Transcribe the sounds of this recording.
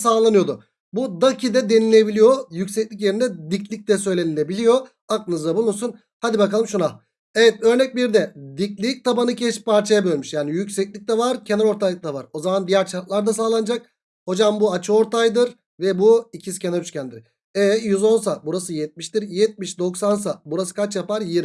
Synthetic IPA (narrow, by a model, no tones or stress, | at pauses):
saːlˠanɯjo̞d̪ʊ̰ | bud̪acʰid̪ɛd̪e̞nilʲebilʲijo̞jycʲsɛclʲic̬je̞ɾind̪ɛd̪iclʲic̚d̪ɛsø̞jlʲe̞ninebilʲijo̞ | ak̚nɯzd̪abunuɾsun | had̪ibakalˠɯmʃuna | evɛt̪̚ø̞ɾnɛc̚biɾd̪ɛd̪iclʲic̚t̪ʰabanɯcʰɛʃpʰaɾt͡ʃʰajabø̞lʲmyʃjaːnijycsɛclʲic̚t̪ɛvaɾcʰe̞nɛɾo̞ɾt̪ʰalˠɯk̚d̪ʰavaɾo̞zamand̪ijæɾt͡ʃʰaɾt̪lˠaɾd̪asaːlˠand͡ʒak̚ | ho̞d͡ʒambuat͡ʃʰɯo̞ɾt̪ʰajd̪ɯɾ | vɛbuicʰisi̥cʰenaɾyt͡ʃcʰænd̪iɾ̥ | ɛːjyzo̞nsabuɾasɯjɛt̪̚miʃt̪iɾjɛt̪̚miʃd̪o̞ksans̬abuɾasɯ̥kʰat͡ʃjapaɾjiɾ